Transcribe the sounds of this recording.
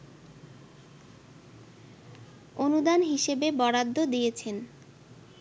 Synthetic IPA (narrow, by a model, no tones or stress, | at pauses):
onud̪anɦiʃebebɔɽad̪ʱːod̪ijet͡ɕʰen